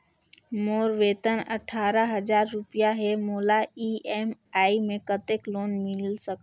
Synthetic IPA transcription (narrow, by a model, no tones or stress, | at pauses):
moːɾʋeːt̪ənɐ̰ʈʰaːɾaɦɐd͡ʒaːɾːʊpijaɦɛmoːlaiɛmaːimẽkət̪ekloːnmɪlsək